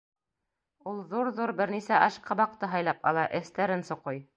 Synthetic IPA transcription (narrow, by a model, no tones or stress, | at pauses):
ulˠðuɾðuɾbɘ̆ɾnisæʔɑʃqʰɑbɑqt̪ɤɦɑjlˠɑpɑ̰lˠɑʔɘ̆θt̪æɾɘnsŏqoj